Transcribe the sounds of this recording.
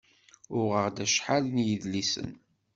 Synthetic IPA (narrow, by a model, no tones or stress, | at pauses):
ʊʁəʁd̪æʃħalnjəðlisə̰n